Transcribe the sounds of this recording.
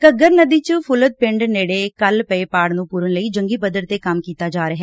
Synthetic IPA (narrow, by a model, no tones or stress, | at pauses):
kəɡəɾnəd̪iːt͡ʃpʰʊlət̪̚pɪɳɖneːɽeːkəlpəeːpaːɽnũːpuːɾənləiːd͡ʒəŋɡiːbəd̪əɾt̪eːkəmkiːt̪aːd͡ʒaːɾəɦɛː